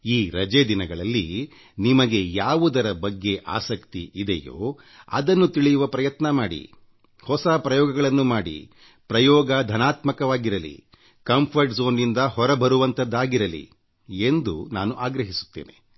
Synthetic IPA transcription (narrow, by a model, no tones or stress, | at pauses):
iːɾɐd͡ʒed̪inɐɡɐɭɐlːi | nimɐɡe̞jaːʋud̪ɐɾɐbɐɡːe̞ʔa̰ːsɐkt̪iʔid̪ejo̰ː | ɐ̰d̪ɐnːut̪iɭijuʋɐpɾɐjɐt̪nɐmaːɽḭ | hɔsapɾɐjɔːɡɐɡɐɭɐnːumaːɽḭ | pɾɐjɔːɡɐd̪ʱɐnaːt̪mɐkɐʋaːɡiɾɐlḭ | kɐmpʰɐɾʈzoːnːind̪ɐhɔɾɐbɐɾuʋɐnt̪ɐd̪ːaːɡiɾɐlḭ | e̞nd̪unaːnuʔaːɡɾɐɦisu̥t̪ːeːnḛ